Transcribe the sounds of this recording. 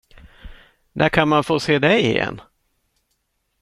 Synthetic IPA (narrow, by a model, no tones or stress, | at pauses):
d̪æɾkʰanmanfoːseːd̪ɛjɪ̰jɛ̰nː